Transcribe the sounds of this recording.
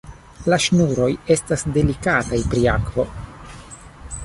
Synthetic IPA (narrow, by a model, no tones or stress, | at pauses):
laʃnuɾo̞je̞stasde̞likatajpɾiakvo̞̰